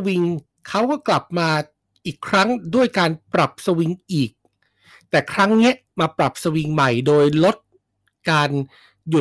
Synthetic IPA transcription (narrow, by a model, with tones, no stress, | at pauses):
wi˧ŋ | kʰa˦˥wkɔː˥˩kla˨˩p̚maː˧ | ʔiː˨˩kʰɾa˦˥ŋdu˥˩əjkaː˧npɾa˨˩p̚sa˧wi˧ŋʔiː˨˩k̚ | t̪ɛː˨˩kʰɾa˦˥ŋni˦˥ɐ | maː˧pɾa˨˩p̚sa˧wi˧ŋma˨˩jdoː˧jlo˦˥t̪̚ | kaː˧n | ju˨˩